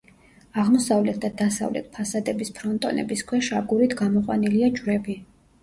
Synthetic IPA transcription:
aʁmɔsavlɛt̪̚ʰd̪ad̪asa̰vlɛ̰t̪̚ʰpʰasad̪ɛbispʰɾɔnt̪ʼɔ̰nɛ̰biskʰwɛʃaɡuɾit̪ʰɡamɔqʼwa̰niliad͡ʒwɾɛbi

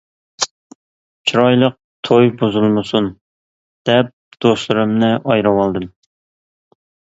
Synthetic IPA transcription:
t͡ʃʰiɾɑjlˠəq̚t̪ʰojbuzulˠmɨsun | d̪̥ɛp̚d̪̥oslˠɨɾɨmnɪʔɑjɾɑwɑlˠd̪ɨm

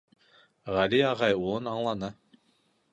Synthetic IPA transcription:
ʁælʲiɑʁɑjulˠɤnɑɴlˠɑnɤ

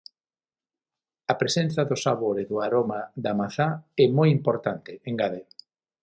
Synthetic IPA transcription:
ɐpɾesen̟θɐðʊsaβoɾeðʊaɾomaðamaθaɛmojimpoɾt̪ant̪ɪeŋɡaðe

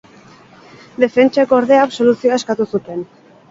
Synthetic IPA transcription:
d̪e̞fe̞nt͡ʃaekooɾðe̞aːβso̞lusioaeskat̪usut̪e̞n

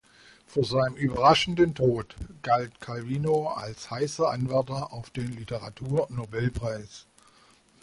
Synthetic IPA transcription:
fyːɐzaɪnəmʔyːbɐʁaʃn̩dəntʰoːtɡ̥altkʰalviːnoa̰lshaɪsɐʔanvɛɐtɐʔaʊfd̥eːnlitəʁatʰuːɐnobɛlpʁ̥aɪs

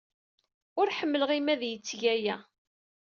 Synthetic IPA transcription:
ʊɾħəmːələʁimæðjət͡sːʝæjæ

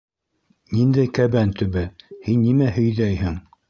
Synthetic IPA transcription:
nind̪æjkæβænt̪ɵ̆βɘhinːimæhɵ̆jðæjhɘŋ

